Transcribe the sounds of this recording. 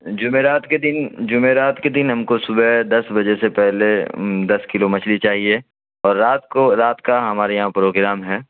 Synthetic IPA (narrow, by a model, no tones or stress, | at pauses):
d͡ʒʊmeɾaːt̪ked̪ɪnd͡ʒʊmeɾaːt̪ked̪ɪnɦɐmkosʊbɛd̪ɐsbɐd͡ʒesepɛɦled̪ɐskɪlomɐt͡ʃʰlit͡ʃaːɦie | ɔːɾːaːt̪̚oɾaːt̪kaɦɐmaːɾejɐɦãpɾoːɡɾaːmɦɛː